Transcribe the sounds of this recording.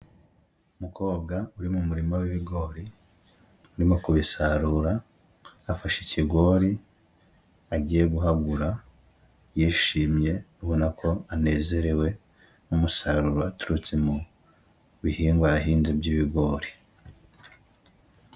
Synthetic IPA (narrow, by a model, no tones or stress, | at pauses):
umuko̞ːb̚ɡauɾimumuɾimowiβiɡo̞ːɾi | uɾimo̞kuβisaɾuɾaː | faʃicʰiɡo̞ːɾi | aɟiːje̞ɡuɦaɡuɾa | jiːʃiːmje̞nuhonakʰo̞ane̞ːze̞ɾe̞we̞ | umusaɾuɾoatuɾut͡semu | βihiːŋɡwaaɦiːnzibɟiβiɡo̞ːɾi̥